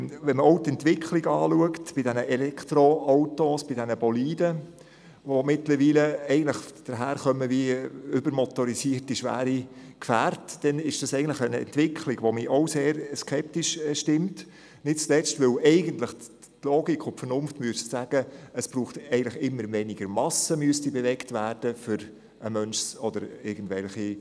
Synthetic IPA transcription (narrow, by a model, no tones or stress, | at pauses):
ʋɛnməɔʊtɛntʋɪkʰliɡɑːluəktb̥ɪdænəʔɛlɛktɾoawtosb̥ɪdænəb̥ɔliːdə | ʋomɪtləɾʋiːləɛɪɡən̩tləχd̥əɾɦæːɾχœməʋiʏbəɾmɔt̪ɔɾisiərtiʃʋæ̰ːɾikfæːrtd̥ɛnɪʃd̥ɑsɛɪɡəntləχənɛ̰nt̪ʋɪkʰliɡ̥ʋomiʔowseːɾskʰɛp̚tiʃʃtɪmt | nɪt̚t͡slɛt͡stʋʏwɛɪɡənt̪ləχ | tlɔːɡikʰʊnpfənʊnftmyəssæɡ̥əəsb̥ɾuːχtɛɪɡən̩tləχɪmːəɾʋɛniɡ̥əɾmɑsəmyəstibɛvɛktʋæːrd̥əfʏɾ | ʔəmœnʃsɔd̥əɾɪɾɡən̩dʋɛlχi